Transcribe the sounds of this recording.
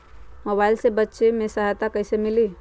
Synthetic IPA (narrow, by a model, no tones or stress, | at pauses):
mobaɪlsebətːʃemẽsəɦjt̪akəɦsemɪli